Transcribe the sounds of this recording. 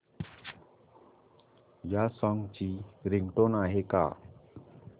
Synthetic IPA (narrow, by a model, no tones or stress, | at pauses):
jasʌŋɡt͡ɕiɾiŋɡʈonaɦeka̰